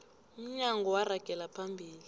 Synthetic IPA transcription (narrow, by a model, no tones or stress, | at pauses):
um̩ɲaŋɡʱɔwaraɡ̥ʱɛlapʰambʱiːli